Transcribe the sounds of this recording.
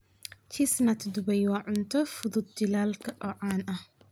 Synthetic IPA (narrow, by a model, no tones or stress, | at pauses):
t͡ʃʰisnɐt̪ʰd̪ʊbɐjwaːʕʊnt̪ʰɔfʊðʊd̪̚d͡ʒɪlaːlkʰɐʔɔʕaːnʔɐh